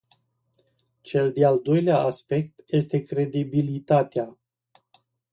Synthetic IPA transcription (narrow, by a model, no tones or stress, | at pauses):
t͡ʃe̞ld̪eald̪o̞jleaʔaspe̞k̚t̪je̞st̪e̞kɾe̞d̪ibilit̪at̪ea